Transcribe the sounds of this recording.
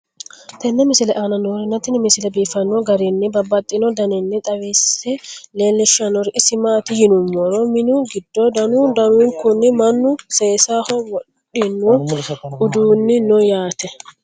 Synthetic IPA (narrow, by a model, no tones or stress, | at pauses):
t̪ɛnːɛmɪsɪlɛʔaːnɐnoɾɪnɐt̪ɪnɪmɪsɪlɛbiːfɐnːɔɡɐɾinːɪbɐbːɐt̪ʼːɪnɔd̪ɐnɛnːɛt̪ʼɐwisɛleːlːɪʃɐnɔɾɪʔɪsɪmaːt̪ɪjɪnʊmːɔɾɔmɪnuɡɪd̪ːɔd̪ɐnuːd̪ɐnuːŋkʊnːɪmɐnːʊseːsahɔwɔᶑ | ɪnːwɔʊd̪uːnːɪnɔjaːt̪ɛ